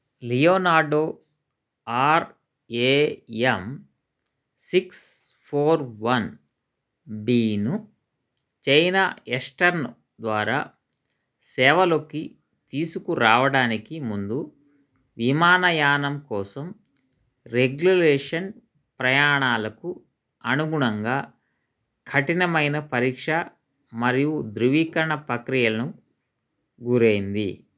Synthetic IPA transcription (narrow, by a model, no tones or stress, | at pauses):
lijoːnaːɖoː | aːɾ | eːem | siks | pʰoːɾʋɐn | biːnu | t͡ʃejnaesʈɐɾn | d̪ʋaːɾa̰ː | sɛːʋɐlo̞ki | t̪iːsukuɾaːʋɐɽaːnikimund̪u | ʋimaːnɐjaːnɐmkɔːsɐm | ɾeɡjuleːʂɐn | pɾɐjaːɳaːlɐku | ɐnuɡuɳɐŋɡaː | kʰɐʈinɐmɐjnɐpɐɾiːkʂɐ | mɐɾijud̪ɾuʋiːkɐɐɳɐpɐkɾijɐlɐnu | ɡuɾeːjind̪ḭ